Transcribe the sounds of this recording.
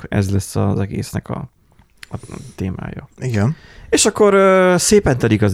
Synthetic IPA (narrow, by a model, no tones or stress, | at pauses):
ɛ̰zlɛsːɒzɛɡḛːsnɛkɒ̰ | ɒt̪eːmra̰ːjɒ̰iɡɛn | eːʃɒkːo̞ɾseːpɛnt̪ɛlikɒz